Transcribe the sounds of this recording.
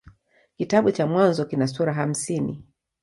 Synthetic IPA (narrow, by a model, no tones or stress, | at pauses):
kitaɓut͡ʃamwanzɔkinasuɾaɦam̩sinḭ